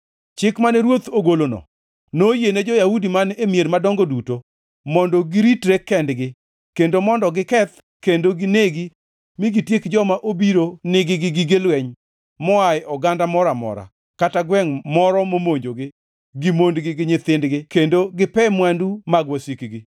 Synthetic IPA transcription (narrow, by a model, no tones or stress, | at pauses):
t͡ʃɪkmanɛɾwot̪oɡolonɔ̰ | nojened͡ʒɔjahudimanemjeɾmadɔŋɡoduto | mɔndɔɡɪɾitɾekːɛndɡɪ | kendomɔndɔɡɪkɛt̪ | kendoɡɪneɡi | miɡitjekd͡ʒɔmaʔobiɾonɪɡɪɡɪɡɪɡɪlwɛɲ | mɔajʔɔɡandamɔɾamɔ̰ɾa̰ | kataɡwɛŋmɔɾɔmomoɲd͡ʒoɡɪ | ɡimondɡɪɡɪɲɪt̪ɪndɡɪkendoɡɪpɛmwɛndumaɡwɔsikɡɪ